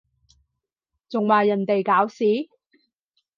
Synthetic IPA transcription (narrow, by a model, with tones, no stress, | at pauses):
t͡sʊ˨ŋwaː˨jɐ˨˩nt̪e˨jkaː˨˥wsiː˨˥